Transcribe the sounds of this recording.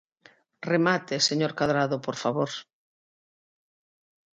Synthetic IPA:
remat̪eseɲoɾkaðɾaðopoɾfaβoɾ

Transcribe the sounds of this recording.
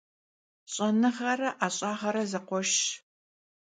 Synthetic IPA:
ɕʼɐnɨʁɐrɐʔaːɕʼɑːʁɐɾɐzɐqʷɔʃ

